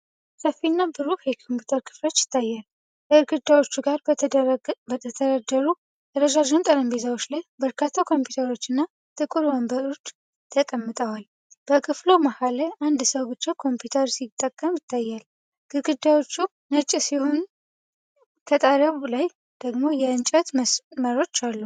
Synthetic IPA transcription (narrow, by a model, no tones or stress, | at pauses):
səfːinːabɨzuhekʰo̞mpjut̪ʰəɾkʰɨ̥flo̞t͡ʃːjɪ̥t̪ʰːajːal | kʰəɨɾɡɨd̪ːawo̞t͡ʃːuɡaɾ | bət̪ʰət̪ʰəɾad̪ːəɾu | t̪əɾəd͡ʒaʒont̪ʼəɾəmbezawo̞t͡ʃːlajbəɾkʰat̪ʰːakʰo̞mpjut̪ʰəɾo̞t͡ʃːɨnːa | t̪ʰɨkʼɨɾambəɾo̞t͡ʃː | t̪ʰəkʼəmːɨt̪ʼəwal | b̥əkʰɨflomahaləand̪səwbɨt͡ʃːakʰo̞mpʰjut̪ʰəɾsit̪ʼːəkʼːəmjɪt̪ʰːajːal | ɡ̥ɨɡɨd̪ːawo̞t͡ʃːu | nət͡ʃʼisiho̞n | kʰət̪ʼaɾəβulaj | d̪̥əɡmo̞jɛɨnt͡ʃʼət̪sməɾo̞t͡ʃːalːu